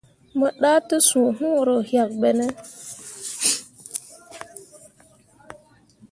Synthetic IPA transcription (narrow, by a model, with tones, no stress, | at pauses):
mə˨ɗa˦tə˦sũ˨ɦũ˦˨ɾo˨hja˨k̚ɓe˨ne˦